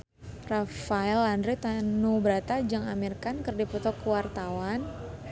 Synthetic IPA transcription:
rafaɛlandɾit̪anubəɾat̪ad͡ʒaŋamirkankərdipɔt̪ɔkəwart̪awan

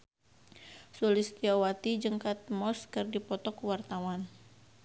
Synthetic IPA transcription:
sulɪst̪iawat̪id͡ʒəŋkat̪̚mɔskɨrdipɔt̪ɔkwart̪awan

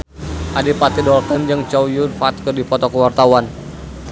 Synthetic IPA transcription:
ʔadipat̪idɔrt̪ənd͡ʒəŋt͡ʃɔwjunfaːt̪kɨrdipɔt̪ɔkəwart̪awan

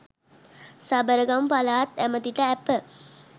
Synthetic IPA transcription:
sabəɾəɡampalaːt̪æmət̪iʈəæpə

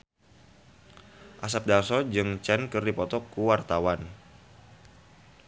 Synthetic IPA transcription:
ʔasap̚dalsɔd͡ʒɨŋt͡ʃɛnkɨrdipɔt̪ɔkuwart̪awan

